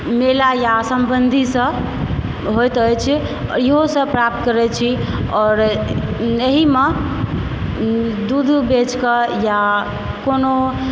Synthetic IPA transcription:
melajasəmbənd̪ʱisə̃ | ɦojt̪əjt͡ʃʰ | ɔ̰ɾjeɦosə̃pɾap̚t̪̚kəɾɛt͡ʃʰiɔɾ | eɦime | d̪ud̪ʱbet͡ʃkəja | kono

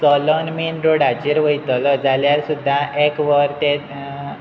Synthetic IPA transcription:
t͡sɔlɔnminɾoɽad͡ʑiɾʋəjt̪ɔlɔd͡zaljaɾsud̪ʱːaʔekʋəɾt̪e

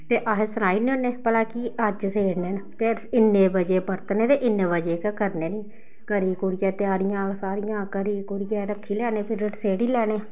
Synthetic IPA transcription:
t̪eːʔaɦeːsənaːiːnĩːonːeːpəlaːkiːəd͡ʒseːɽneːnt̪eːɪnːeːbəd͡ʒeːbəɾt̪nẽːt̪eːʔɪnːẽːbəd͡ʒeːkəkəɾneːniː | kəɾiːkʊɽɪjɛːt̪ɪaːɾɪjãːsaːɾɪjãːkəɾiːkʊɽɪjɛːɾəkʰːiːlɛːneːpʰɪɾəʈseːɽiːlɛːneː

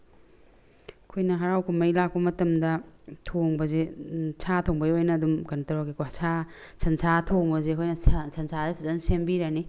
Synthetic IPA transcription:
ɐkʰojnɐɦɐɾawkʰumɐjlak̚bɐmɐtɐmdɐtʰoŋbɐzet͡ʃʰatʰoŋbɐjojnɐːdumkɐntɐɾakikosʰa | sʰɐnsʰatʰoŋbɐzekʰojnɐssɐnsʰaepʰizɐnsembiɾɐni

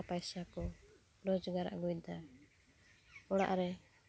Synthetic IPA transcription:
pajsakɔ | ɾɔd͡ʒɔɡaɾa̰ʔɡujd̪a | ɔɽ̃a̰ʔɾɛ

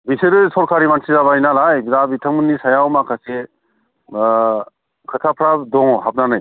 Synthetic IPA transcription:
biseɾɯsɔɾkʰaɾimansizaβajnalajbiɾabitʰaŋmɯnːisajawmakʰase | kʰɯtʰapʰɾadɔŋɔɦap̚nanɯj

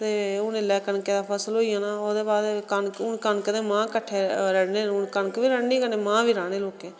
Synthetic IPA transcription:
t̪eːʊnelɛːkəɳkeːd̪aːpʰəsloːiːãːnaːoːd̪eːbaːd̪kənkʊnkənkəd̪ẽːmãːkəʈʰːeːɾəɽneːʊnkənkʋiːɾəɽniːkəɽeːmãːbiːɾaːɽ̃eːloːkẽː

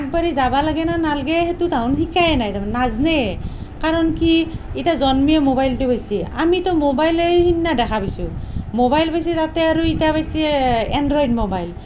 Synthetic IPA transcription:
ak̚baɹizabalaɡɛnanalɡɛhetutaʊ̃nxikajɛnajdamnaznɛ | kaɹɔnkiitazɔnmijɛmobajltʊpajsia̰mitɔmobajlejhinːadɛkʰapasʊ̃mobajlbajs̬ɛtatɛaɹuitapajsiɛndɹɔjdmobajl

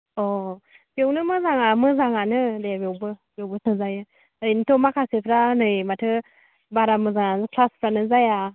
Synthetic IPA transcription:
ɔ | biownɯmɯzaŋamɯzaŋanɯdeabiɔwbɯbjowbɯsɯzajɯ | initɔmakʰasepʰɾanɯjmatʰɯ | baɾamɯzaŋanzkʰlaspʰɾanɯzaja

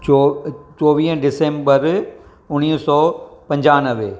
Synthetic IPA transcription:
t͡ʃoːʋiːɦɖɪsẽːmbəɾ | ʊniːsɔːpɐ̃ɲd͡ʑaːnəʋeː

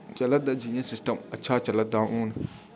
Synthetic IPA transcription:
t͡ʃɐlɐt̪̚d̪ad͡ʒijɐ̃sisʈɐmɐtːʃʰaːt͡ʃɐlɐd̪aːʔũːn

